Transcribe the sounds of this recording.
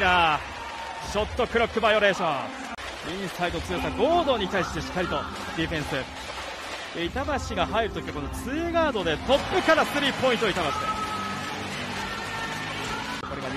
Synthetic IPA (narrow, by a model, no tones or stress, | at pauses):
a | ɕo̞t̪ːo̞kɯ̟ɾo̞kːɯ̟bajo̞ɾe̞ːɕõ | ĩɰ̃said̪ot͡sɨjosaɡo̞ːd̪o̞ːɲ̟it̪aiɕi̥t̪e̞ɕi̥kːaɾʲit̪o̞ | d̪ʲiɸẽ̞ɰ̃sɨ̥ | eit̪abaɕiɡaɦaiɾɯ̟t̪okʲiβako̞no̞t͡sɨːɡaːd̪o̞d̪e̞t̪o̞pːɯ̟kaɾasɨɾʲiːpo̞ĩnt̪oit̪aβaɕid̪e | koɾe̞ɡa